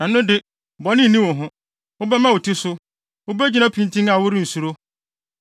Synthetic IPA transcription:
nã˨n˦ʊ̃˦dɪ˦ | bɔ˨nɪ̃˦nː˨nĩ˦wʊ̃˨ɦʊ̃˦ | ʊ˦bɛ˦mã˦wʊ˨tʰi˦sʊ˦ | ʊ˦bɛ˦d͡ʑi˦nã˦pʰĩ˦n˦tʰĩ˦na˨wʊ˦ɾɪ̃˦n̩˨su˨ɾo˦

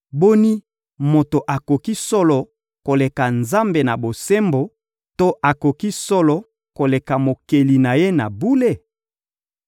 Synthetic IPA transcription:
bo˦ni˦ | mo˨to˨ʔa˨ko˨ki˦sɔ˦lɔ˨ | ko˨le˨ka˨nza˦mbe˨na˨bo˨se˦mbo˨ | to˦ʔa˨ko˨ki˦sɔ˦lɔ˨ | ko˨le˨ka˨mo˨ke˨li˨na˨je˦na˨bu˦le˦

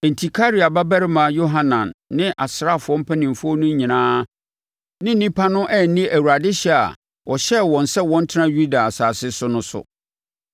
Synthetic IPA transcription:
ɛ˨n̩˨tʰi˨kʰa˦ɾi˨a˨ba˦bɛ˦ɾɪ˦mã˨˦jo˦ɦã˦nã˨nːɪ̃˦ʔa˨sɾa˦˨fʊ˨ɔ̃˦m̩˦pʰæ˦nĩ˨m˨fɔ˦nʊ̃˦ɲĩ˨nãː˦ | nɪ̃˦n̩˦nĩ˦pʰa˦nʊ̃˦ʔɛ˦˨n̩˦nĩ˦ʔæ˨wu˨ɾa˨dɪ˦ɕɛ˦a̰˨ | wɔ˨ɕɛ˦wɔ̃˨n̩˨sɛ˦wɔ̃˦n̩˦tʰɪ˦nã˦ju˦da˨a˨saː˨sɪ˦sʊ˦nʊ̃˦sʊ̰˨

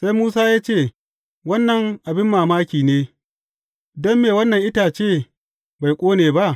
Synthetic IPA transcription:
sa˦jmuː˦saː˦jaː˦t͡ʃeː˦˨ | wɐ˦nːɐ˨ŋʔa˨bɪ˦mːaː˨maː˦kʲiː˨neː˦ | dɔ˦mːeː˨wɐ˦nːɐ˨ŋʔɪ˦taː˨t͡ʃeː˦˨ | ba˨jkʷʼoː˦neː˨ba˦ʔ

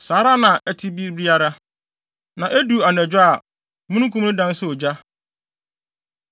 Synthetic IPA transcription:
saː˨˦ɾa˦nã˨ɛ˦tʰɪ˦bi˦bɾi˦a˦ɾa˦ | nã˨ʔæ˦du˨a˨nɛ˨d͡ʑᶣa˦a˨ | mũ˦nũ˦kʰũ˦ũ˦dã˦n˦sʊ˦o˨d͡ʑa˦

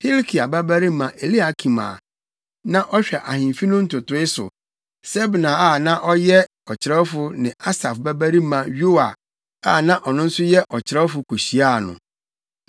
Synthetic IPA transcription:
hi˦lkʰi˨a˨ba˦bæ˦ɾi˦mã˨ʔe˨li˦a˨kʰi˨ma̰˨ | nã˦ʔɔ˦ɕᶣɛ˨ʔa˨hɪ̃˨mfi˦nʊ̃˦n̩˦tʊ˨tʊ˨˦ɪ˦sʊ̰˨ | sɛ˦bnã˨a˦˨nã˦ʔɔ˦jɛ˦ | ɔ˨t͡ɕʰɪ˨ɾɛ˦fʊ˨nɪ̃˨a˦sa˨fbæ˦bæ˦ɾi˦mã˨jo˦wa˨ | a˦˨nã˦ʔɔ˨nʊ̃˦n̩˦sʊ˦jɛ˦ʔɔ˨t͡ɕʰɪ˨ɾɛ˦fʊ˨kʰo˨ɕi˨a˦˨nʊ̰̃˨

